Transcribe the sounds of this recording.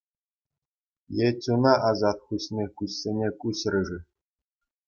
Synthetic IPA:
jetʲunɑʔɑzɑt̪χuɕʲnʲekuɕʲːenʲekuɕrʲɘ̆ʐɘ̆

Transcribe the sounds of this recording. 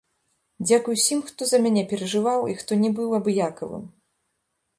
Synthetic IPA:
d͡zʲakujwsʲimxt̪ɔzɐmʲanʲɛpʲɛɾɐʐɨvawixt̪ɔnʲɛbɨwɐbjakɐvɨ̰m

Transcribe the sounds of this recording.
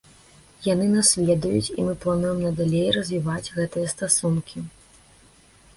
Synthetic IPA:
janɨnasvʲɛd̪ujṵt͡sʲḭmɨplˠanujɛmnɐd̪alʲejrɐzʲvʲivad͡zʲɣɛt̪ɨjɐst̪asunkʲʰi

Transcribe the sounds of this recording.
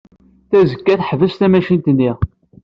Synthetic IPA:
θæzəkːæθħvəsθæmæʃint̪ənːiʁ

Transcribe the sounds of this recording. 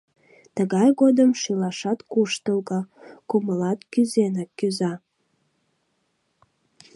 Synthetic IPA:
t̪əɣɑjɣod̪əmʃilɑʃɑt̪kuʃt̪əlɣəkuməlɑt̪kyzenəkːyzɑ

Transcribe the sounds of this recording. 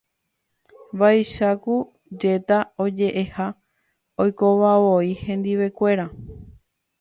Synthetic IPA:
ʋajʃaku | d͡ʒe̞t̪ao̞d͡ʒe̞ʔe̞ha | o̞jko̞ʋaβo̞ihẽ̞nd̪iʋe̞kʷe̞ɾa

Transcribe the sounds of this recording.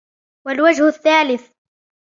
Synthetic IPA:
walwad͡ʒhʊθːaːlɪθ

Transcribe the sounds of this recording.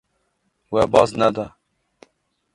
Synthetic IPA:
wɛbɑznɛd̪ɑ

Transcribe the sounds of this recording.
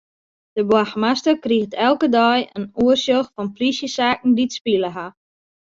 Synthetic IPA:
d̥əbwaxmastəkrixtʰɛlˠkədɔjənuərsjoxfɔnfrisjəsaːk̚n̩ditspiləɦa

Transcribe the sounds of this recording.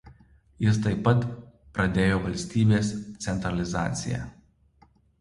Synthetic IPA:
jɪst̪ɐɪpːɐt̪ | pɾɐd̪ʲeːjoːʋɐlʲsʲt̪ʲiːbʲeːst̪sʲɛnt̪ɾɐlʲɪzɑ̰ːt̪sʲɪ̰jæ̰ː

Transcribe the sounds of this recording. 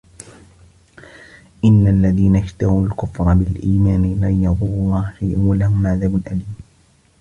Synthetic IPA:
ʔɪnːalːaðiːnaʃt̪ahuːlkʊfɾˤɑbɪlʔiːmaːnɪlaːjɑðˤuːɑlˤːɑːhfiːʔuːalahʊmːaʕðabʊnʔaliːm

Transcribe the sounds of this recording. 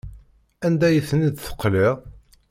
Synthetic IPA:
ænd̪æjəθnid̪θə̥qːliʁ

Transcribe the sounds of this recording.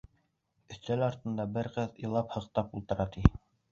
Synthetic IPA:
ɵ̆θt̪ælɑɾt̪ɤ̆nd̪ɑbɘɾqɤðɤ̰̆lˠɑphɤ̆q̚t̪ɑpulˠt̪ɤ̆ɾɑt̪i

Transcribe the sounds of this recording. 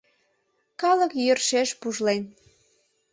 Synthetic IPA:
kɑləkjørʃeʃpuʒlen

